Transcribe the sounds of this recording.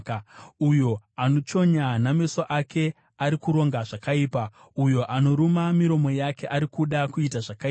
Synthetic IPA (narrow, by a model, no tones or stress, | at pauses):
ujo̞ano̞t͡ʃo̞ɲaname̞soʔake̞ | aɾikuɾo̞ŋɡaʐakaiːpa | ujo̞ʔano̞ɾumamiɾo̞mo̞jake̞ʔaɾikuɗakuitaʐakai